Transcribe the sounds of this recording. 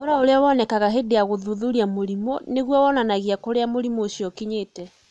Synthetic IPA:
oɾaoɾeawɔnɛkaɣaɦedeaɣoðuðuɾiamoɾimɔneɣwɔwɔnanaɣiakoɾeamoɾimoːɕjɔkiɲetɛ

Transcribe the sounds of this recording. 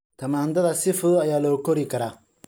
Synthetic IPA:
t̪ʰɐmaːnd̪ɐðɐsɪfʊðʊɐjaːlɔkɔɾikʰɐɾaː

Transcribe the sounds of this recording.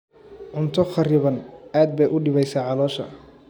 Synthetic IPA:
ʕʊnt̪ʰɔχɑrɪβɐnaːd̪̚bɛjʔʊɖɪβɛjsaːʕɑlɔːʃɐ̰

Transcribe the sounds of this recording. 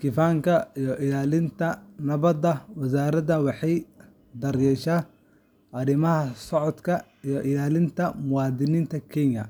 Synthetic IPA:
kʰɪfaːŋkʰɐijɔʔɪlaːlɪnt̪ʰɐnɐβɐd̪ɐwɑs̬aːɾɐdɐwɑħɑj | d̪ɐrjɛʃaː | ʔɐɾɪmɐɦɐsɔʕɔd̪kʰɐ | ijɔʔɪlaːlɪnt̪ʰɐmʊwɑːd̪ɪniːnt̪ʰɐkʰɛɲɐ̰

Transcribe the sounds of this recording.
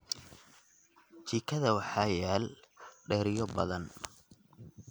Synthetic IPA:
t͡ʃiːkʰɐðɐwɑħɑjaːlɖɛːɾɪjɔbɐ̰ðɐn

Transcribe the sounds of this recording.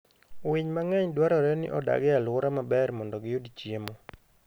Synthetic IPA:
wɪɲmaŋɛɲdwaɾɔɾɛnɪ̰ʔɔda̰ɡɛalwʊɾamabɛrmɔndɔɡɪodit͡ʃjemo

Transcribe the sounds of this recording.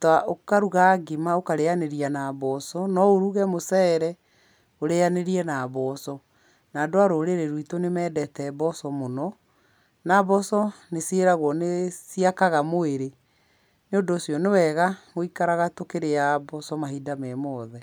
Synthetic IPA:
taʔokaɾuɣaɡemaokaɾejaneɾianabɔsɔnɔoɾuɣɛmosɛːɾɛ | oɾeaneɾiɛnaβɔsɔ | naːdoaɾoːɾeɾeɾwitonemɛːdɛtɛbɔsɔmonɔ | naβɔsɔnesieɾaɣwɔnesiakaɣamoeɾe | neondoːsiɔnewɛɣamoikaɾaɣatokeɾeabɔsɔmaɦidamɛmɔːðɛ

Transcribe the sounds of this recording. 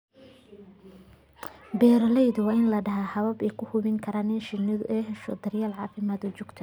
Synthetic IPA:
bɛːɾlɛjðʊwɑːɪnlɐɖɐɦaːhɐβɐbɛkʰʊhʊβɪŋkʰɐɾaːnɪnʃɪnɪðʊ̰ʔɛɦɛʃɔ̰d̪ɐrjaːlʕɑːfɪmaːd̪ɔt͡ʃʊɡ̥t̪ʰɐ

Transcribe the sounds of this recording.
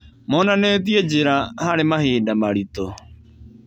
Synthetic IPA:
mɔnanɛtied͡ʑɪɾahaɾemaheːdamaɾit̪o

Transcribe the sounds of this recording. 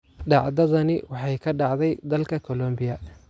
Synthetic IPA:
ɖɑʕðɐðɐnɪwɑħɑjkʰɐɖɑʕd̪ɛjd̪ɐlkʰɐkʰɔlɔmbɪjɐ

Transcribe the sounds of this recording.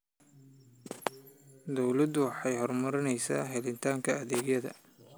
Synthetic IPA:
d̪ɔwlɐd̪ʊwɑħɑjhɔrmɐɾɪnɛjsaːɦɛlɪnt̪ʰaːŋkʰɐːðeːɡjɐðɐ̰

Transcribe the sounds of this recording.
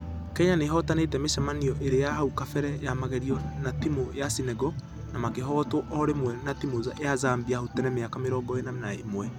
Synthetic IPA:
kɛɲaneɦɔtanetɛmeʃamaniɔʔeɾejaɦaukafɛɾɛjamaɣɛɾiɔnatimojasinɛɡɔ | namakeɦɔtoʔɔɾemwɛnatimozaazaːmbiahotɛnɛmeakameɾɔːɡɔenanaemwɛ

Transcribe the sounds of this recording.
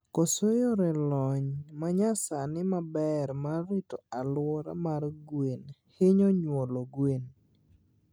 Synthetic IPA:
kosojɔɾɛlɔɲmaɲasanɪmabɛɾmarːitoalwɔɾa̰marɡwenhɪɲɔɲwoloɡwen

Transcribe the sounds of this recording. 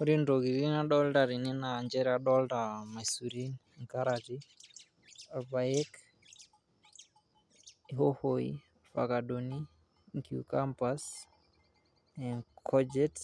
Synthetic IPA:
oɾindoɣiɾinaɗɔltaɾininaɲd͡ʒɛɾaɗɔldamasuɾin | ŋkaɾati | albaɛk | ɦɔhoḭ | fa̰kaɗoni | ŋkjṵkampas | ɛŋkʰɔd͡ʒɛt

